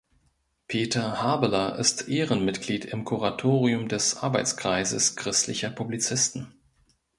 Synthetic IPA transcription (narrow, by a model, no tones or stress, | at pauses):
pʰeːtʰɐhaːbəlɐʔɪ̰stʔeːʁənmɪtɡ̥liːtʰɪmkʰuʁatʰoːʁiʊmdɛsʔa̰ɐbaɪt͡skʁ̥aɪzəskʁ̥ɪstlɪçɐpʰʊblit͡sɪstn̩